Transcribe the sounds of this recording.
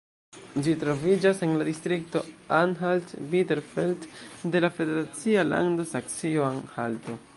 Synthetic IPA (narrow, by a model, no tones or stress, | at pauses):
d͡ʒitɾo̞vid͡ʒase̞nladistɾik̚to̞anɦaltbiteɾfiltde̞lafe̞de̞ɾat͡siala̰ndosak̚sioanhalto̞